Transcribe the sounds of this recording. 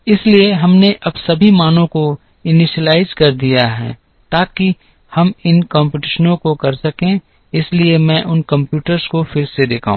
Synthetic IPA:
ɪslieɦɐmneʔɐbsɐbʱimaːnõko | ɪnɪʃəlaːɪzkɐɾd̪ijaɦɛ̰ː | t̪aːki | hɐmɪnkãːmpɪʈɪʃənõkokɐɾsɐkẽ | ɪsliemɛ̃ʔʊnkɐ̃mpjuːʈəɾz̥kofɪɾsed̪eːkʰa̰ɦũ

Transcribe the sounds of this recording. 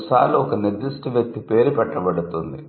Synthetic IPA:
saːluɔkɐniɾd̪isʈuʋjɐk̚t̪ipe̞ːɾupɛʈːɐbɐɽut̪und̪ḭ

